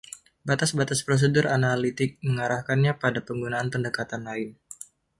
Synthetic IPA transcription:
bat̪asbat̪aspɾos̬ədʊɾʔanalit̪ɪk̚məŋaɾahkanɲapadapəŋɡunaːnpəndəkat̪anlaɪn

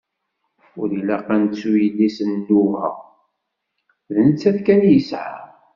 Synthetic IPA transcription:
ʊɾilæqænt͡sːujədisənːuvə̰ʁ | ðənət͡sːæθkænjəsʕa̰

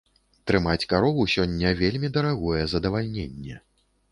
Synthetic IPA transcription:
t̪ɾɨmat͡sʲkaɾɔvusʲɔnʲːɐvʲelʲmʲid̪ɐɾaɣɔjɛzɐd̪ɐvalʲnʲenʲːɛ

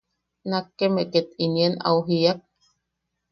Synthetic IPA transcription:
nakːemeʔket̪iniena̰wɦiak̚

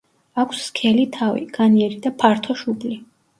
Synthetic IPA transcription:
akʷʰsːkʰɛlit̪ʰavḭɡ̥aniɛɾid̪apʰaɾt̪ʰɔʃubli

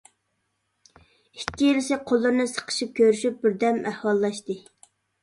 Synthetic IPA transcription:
ikʲːijilɪsɪqʰolˠːɨɾnɨsə̥qʰə̥ʃip̚kʲʰøɾyʃyp̚bɪɾd̪ɛmæhwɑlˠːɑʃt̪ɨ

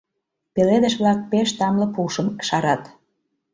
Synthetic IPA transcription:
peled̪ə̆ʃβlɑk̚peʃt̪ɑmlɤ̆puʃə̆mkə̥ʃɑɾɑt̪

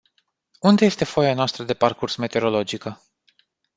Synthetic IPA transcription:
und̪e̞je̞st̪e̞fo̞janoast̪ɾəd̪e̞parkursme̞t̪e̞ɾo̞lo̞d͡ʒikə

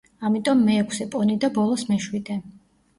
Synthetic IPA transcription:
amit̪ʼɔmːɛːkʰsɛpʼɔnid̪abɔlˠɔsmɛʃwid̪ɛ

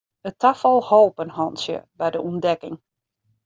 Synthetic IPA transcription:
ətʰafəlˠhoːpənhɔnsjə̰bɛjdəʔundɛkɪŋ

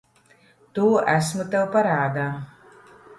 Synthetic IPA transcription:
t̪uːæsmut̪ɛwpaɾaːd̪aː

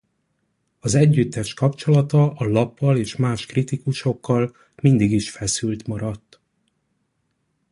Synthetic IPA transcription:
ɒzɛɟːyt̪ːɛʃkɒpt͡ʃo̞lɒt̪ɒʔɒlɒpːɒleːʃmaːʃkrit̪ikuʃo̞kːɒl | mind̪iɡiʃfɛsylt̪mɒɾɒt̪ː

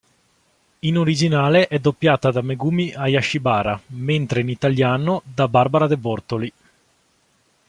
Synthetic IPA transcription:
inoɾid͡ʒinaːleʔɛd̪opːjaːt̪ad̪ameɡuːmiʔajaʃːibaːɾament̪ɾeinit̪aljaːnod̪abaɾbaɾad̪ebɔrt̪oli

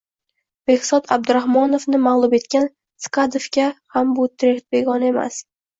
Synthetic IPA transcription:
b̥e̞hsɒt̪ʰab̚d̪ʊɾahmɒnofnɪmaʁlˠʊbe̞t̪kʲan | skʰad̪ofkʲahambʊt̪ʰɾekt̪̚be̞ɡɒne̞ma̰s

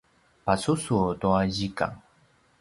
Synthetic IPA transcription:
pasusutuaʑika̰ŋ

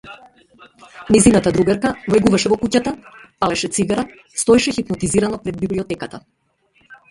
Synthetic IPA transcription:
nɛjzinat̪ad̪ɾuɡaɾkavlɛɡuvaʃɛvɔkucat̪apalɛʃɛt̪siɡaɾa | st̪ɔɛʃɛxipnɔt̪iziɾanɔpɾɛd̪̚bibliɔt̪ɛkat̪a

